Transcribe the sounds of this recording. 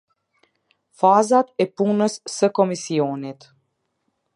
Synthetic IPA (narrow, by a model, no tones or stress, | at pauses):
fazat̪ɛpunəsːəkɔmisiɔnit̪